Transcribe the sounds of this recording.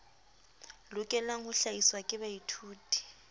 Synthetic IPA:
lʊkʼɛlaŋ̩hʊɬaiswakʼɪbaitʰuːtʼi̥

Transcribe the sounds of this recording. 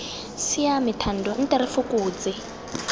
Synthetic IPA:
sijamitʰandʱɔn̩tʼɛɾifukʼuːt͡sɪ

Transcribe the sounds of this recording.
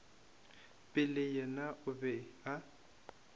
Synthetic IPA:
pʼɪlɪjɛnaʔʊbɛa

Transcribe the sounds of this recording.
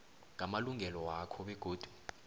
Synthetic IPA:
ŋʱamaluŋʱɛlɔwakʰɔɓɛɡ̥ʱoːd̥ʱu̥

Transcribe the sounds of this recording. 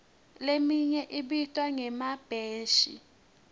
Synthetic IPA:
lemiɲɛʔiɓitʼwaŋɛmab̥ʱeːʃḭ

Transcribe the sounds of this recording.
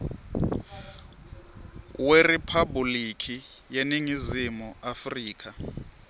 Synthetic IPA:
weripʰabulikʰi | jeniŋizimuafriːkʰa

